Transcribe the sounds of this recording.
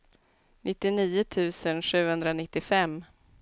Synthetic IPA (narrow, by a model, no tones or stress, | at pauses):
nʔɪt̪ːɪniːʊt̪ʰʉ̟ːsənɧʉ̟ːhɵnd̪ɾanɪt̪ːɪfɛmː